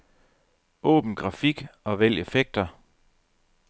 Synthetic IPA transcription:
ʔɔ̰̽ːb̥n̩ɡ̥ʁɑ̈fiɡ̥ɒ̽ʋel̰e̝feɡ̥̚d̥ɐ

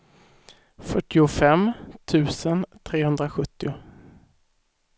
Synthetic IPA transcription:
fœʈːɪʊfɛmt̪ʰʉ̟ːsənt̪ʰɾeːhɵnd̪ɾaɧɵt̪ːɪʊ

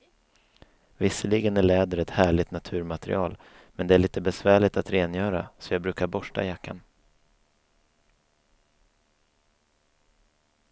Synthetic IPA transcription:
vɪsːəlɪɡənæɭɛːd̪əɾɛt̪hæːɭɪt̪nat̪ʰʉ̟ːɾmat̪ɾɪ̰ɑːl | mɛnd̪ɛæɭiːt̪əbɛsvæːɭɪt̪at̪ɾeːnjœːɾa̰sɔjɑːbɾʉ̟ːkaɾbɔʂʈa̰jakʰːa̰n

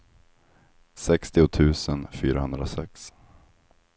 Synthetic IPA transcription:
sɛkst̪ɪʊt̪ʰʉ̟ːsənfyːɾahɵnd̪ɾasɛ̰ks

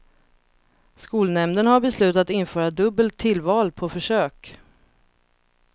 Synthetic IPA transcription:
skuːlnɛmd̪ənhaɾbɛslʉ̟ːt̪at̪ɪnfœːɾad̪ɵbːəlt̪ʰːɪlːvɑːlpʰɔfœʂøːk

